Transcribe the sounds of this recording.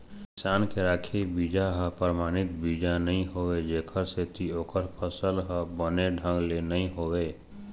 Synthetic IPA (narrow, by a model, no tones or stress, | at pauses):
kɪsaːnkeɾaːkʰebiːd͡ʒaɦəpəɾmaːɽ̃ɪt̪̚biːd͡ʒanəɦĩɦoːʋed͡ʒeːkʰəɾset̪ʰioːkəɾpʰəsəlɦəbəneɖʱə̃ŋɡlenəɦĩɦoːweː